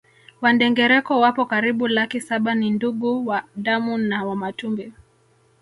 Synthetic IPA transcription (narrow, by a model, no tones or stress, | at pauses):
wandɛŋɡɛɾɛkɔwapɔkaɾiɓulakisaɓaninduɡuwaɗamunawamatumbɛ